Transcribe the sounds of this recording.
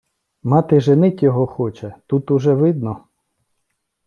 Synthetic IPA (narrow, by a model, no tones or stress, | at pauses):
mɑt̪ɪʒenɪtʲjɔɦɔxɔt͡ʃɛt̪ut̪ʊʒɛʋɪd̪̚nɔ